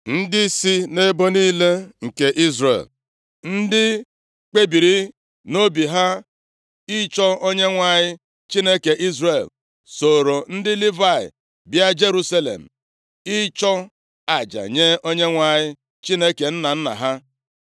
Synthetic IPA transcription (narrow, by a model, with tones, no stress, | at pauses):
n̩˦dɪ˦si˦ne˦bo˦niː˦le˦ŋ̩˨ke˨ʔi˦zrḛ˨l | n̩˦dɪ˦ | k͡pe˦bi˨ɾi˦ | no˦bi˨ɦa˦ | ɪ˦t͡ʃɔ˦o˦ɲe˦ŋʷa˨ɲɪ˦ | t͡ʃi˦ne˦ke˨ʔi˦zɾe˨l | so˨ɾo˨n̩˦dɪ˦li˦va˦˨ɪ̰˨ | bja˦d͡ʒe˦ɾu˦sa˦lḛ˨m̩˨ | ɪ˦t͡ʃɔ˦ | a˨d͡ʒa̰˨ɲe˦o˦ɲe˦ŋʷa˨ɲɪ˦ | t͡ʃi˦ne˦ke˨n̩˦na˨n̩˦na̰˨ɦa˦